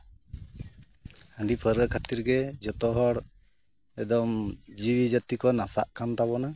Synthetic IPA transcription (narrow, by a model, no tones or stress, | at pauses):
həɳɖipʰəɾəkʰat̪iɾɡɛd͡ʒɔt̪ɔɦɔɽ | ɛd̪ɔmd͡ʒiwid͡ʒət̪ikɔnasaʔkʰant̪aβɔna